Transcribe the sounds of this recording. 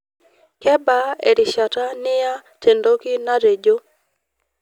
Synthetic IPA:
kɛ˦ba˦e˨ɾɪ˨ʃa˨ta˦nɪ˦ja˦te˨ndo˦ki˦na˦ɾe˨d͡ʒo˦

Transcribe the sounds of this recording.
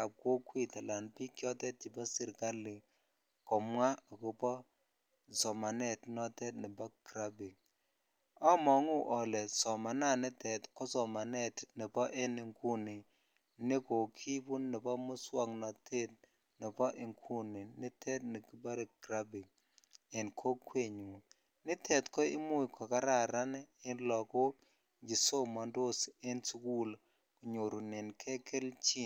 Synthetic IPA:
ka˨p̚ko˦kwi˦ta˨la˨npi˦kjɔ˦tɛ˦t̚t͡ʃi˨bɔ˦si˦ɾka˦lːi˨ | kɔ˨mʷwa˦ɔ˨ku˨pɔ˦ | sɔ˨ma˨nɛ˦tnɔ˦tɛ˦tnɪ˨bɔ˦kɾa˦bi˨ŋ | ɔ˦mɔ˨ŋu˦ʔɔ˨lɛ˨sɔ˨ma˨na˦˨nɛ˦tɛ˨tkɔ˦sɔ˨ma˨nɛ˦tni˨bɔ˦ʔe˦nɪ˨ŋku˦ni˨ | nɪ˦ko˨kʰi˦bu˦nːɪ˨pɔ˦mo˦swa˨ŋna˨t̪ʰe˦t̚ | nɪ˨pɔ˦ʔɪ˨ŋkʰu˦nɪ˨nɪ˦tʰɛ˦tnɪ˨ki˦ba˦ɾe˨ɡɾa˦bi˨ŋ | ɛ˨nkʰo˦kwe˦˨ɲu˨ | nɪ˦t̪ʰɛ˨tkɔ˦ɪ˦mʊ˦ɪ˨kʰɔ˨ka˦ɾa˨ɾa˦n˦ɪ˦nlɔ˨ko˦ | d͡ʒi˨so˦ma˨ndo˦se˦nsku˦l | ko˨ɲo˨ɾu˨nɪ˨nkʰɛ˦kʰe˦lt͡ʃi˦n

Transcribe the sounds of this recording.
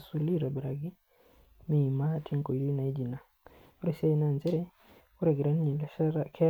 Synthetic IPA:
su˨li˦ɾa˨ba˨ɾa˨ɡi˦ | mi˨ma˦tʰi˦ŋku˨li˦na˨i˦d͡ʒi˨na˨ | u˦ɾisa˦i˦na˨nd͡ʒɛ˦ɾɛ˦ | ku˦ɾɛ˨ɡe˨ɾa˦n˦ɲi˨lkʰɛ

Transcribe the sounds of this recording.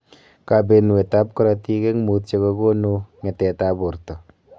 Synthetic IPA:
ka˧be˧nu˨e˨t̪a˦p̚ko˦ɾa˧t̪i˧ke˦ŋmu˧˦t̚t͡ʃe˧ka˧ɡo˦nu˧ŋe˨tɛ˨ta˧bo˨ɾt̪ə˨

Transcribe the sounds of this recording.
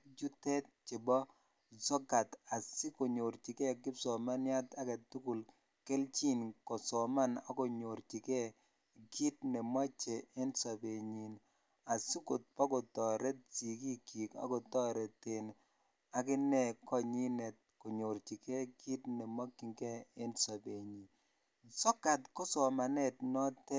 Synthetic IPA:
d͡ʒu˦tɛ˦t̪̚t͡ʃɪ˨bɔ˦ | zɔ˦ɡa˨t̪a˨sɪ˦ko˨ɲo˨ɾt͡ʃi˨kɛ˦ɡɪ˦psɔ˨ma˦nja˦t̪a˦kɛ˨tu˦ku˨l | ke˦lt͡ʃi˦nkɔ˨sɔ˨ma˦nɔ˦kɔ˨ɲo˨ɾt͡ʃi˨kɛ˦ | ɡi˦t̚nɛ˨ma˦t͡ʃeː˨˦nsa˨be˨ɲi˨n | a˨su˦ko˨t̚pɔ˦ɡɔ˨tɔ˨ɾɛ˦t͡si˨ki˦ki˨ka̰˦ɡɔ˨tɔ˦ɾɛ˨te˨n | a˨kɪ˦nɛ˦˨kɔ˦ɲi˦nɛ˨t̚ | kɔ˨ɲo˨ɾt͡ʃi˨kɛ˦ɡi˦tnɛ˨ma˦kːi˨ŋkɛ˦e˦nsa˨be˨ɲi˨ | sɔ˦ka˨tkɔ˦sɔ˨ma˨nɛ˦tnɔ˦tɛ˦

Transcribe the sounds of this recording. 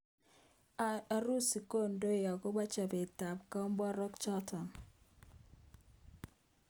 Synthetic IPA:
a˦ɾu˦si˨ko˦ndo˦˨ja˨ko˦ba˦t͡ʃa˨be˨ta˨pka˦mba˦ɾɔ˦kt͡ʃɔ˦tɔ˨n

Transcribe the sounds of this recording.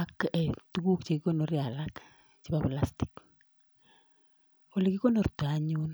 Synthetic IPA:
a˦kɛ˨tu˦ku˦kt͡ʃe˨kiko˦no˨ɾja˨la˦k | t͡ʃi˦ba˨plastɪ̥˨k | o˦˨le˨ki˦ko˦no˨rtaɲu˦n

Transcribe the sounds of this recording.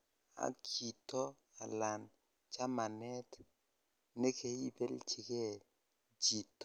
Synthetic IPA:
a̰˨kʰi˨tɔ˦ | a˨la˨n | t͡ʃa˦ma˨nɛ˦t | ne˦kʰe˨i˦bɛ˦lt͡ʃɪ˨ke˦˨ | d͡ʒi˨tɔ˦

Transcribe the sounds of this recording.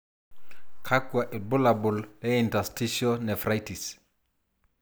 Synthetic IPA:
kʰa˦kwa˨ʔɪ˨bʊ˦labu˨lɛ˦intasti˦ʃonɛ˨fɾajtis

